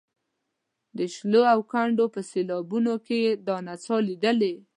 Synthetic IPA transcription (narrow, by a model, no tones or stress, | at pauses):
d̪əʃloawkaɳɖopəselɑbunoked̪ɑnat͡sɑlid̪əle